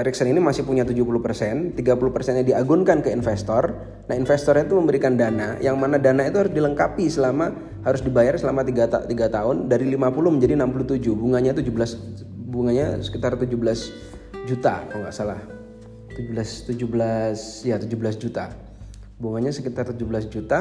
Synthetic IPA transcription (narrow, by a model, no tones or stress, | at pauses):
ɾɛksəninimasɪhpuɲat̪ud͡ʒupulʊpərsɛnt̪iɡapulupərsɛnjadiaɡʊnkankəinfɛst̪ɔr | nahinfɛst̪ɔrɲat̪uməmbəɾikandanajaŋmanadanait̪uhaɾʊsdiləŋkapisəlama | haɾʊsdibajarsəlamat̪iɡat̪t̪iɡat̪aɦʊndaɾilimapulʊməɲd͡ʒadinampuluht̪ud͡ʒuhbuŋaɲat̪ud͡ʒubəlasbuŋaɲa̰sə̥kit̪art̪ud͡ʒubəlas | d͡ʒut̪a̰kɔŋɡa̰ʔsalah | t̪ud͡ʒubəlast̪ud͡ʒubəlasjat̪ud͡ʒubəlas̬d͡ʒut̪a | buŋaɲasəkit̪art̪ud͡ʒubəlasd͡ʒut̪a